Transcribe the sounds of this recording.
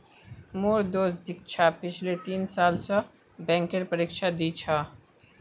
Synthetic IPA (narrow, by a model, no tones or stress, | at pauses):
moːɾd̪oːsd̪ɪk̚t͡ʃʰapɪt͡ʃʰlet̪iːnsaːlsa | bɛ̃ːŋkeɾpɐɾiːkʃad̪it͡ʃʰaː